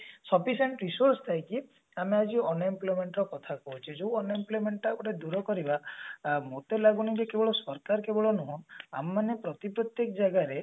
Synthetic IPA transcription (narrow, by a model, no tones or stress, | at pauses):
sɔpʰiseɳʈɾisoɾsɔ̥t̪ajki | amead͡ʒiɔnimplɔjmeɳʈɾɔkɔt̪ʰakɔɦut͡ʃʰid͡ʒuwɔnimplojmeɳʈːapɔʈed̪uɾɔkɔɾibamot̪elaɡunikekebɔɭɔsɔɾkaɾkebɔɭɔnuɦɔ̃na̰mːanepɾɔt̪ipɾɔt̪jekɔd͡ʒaɡaɾe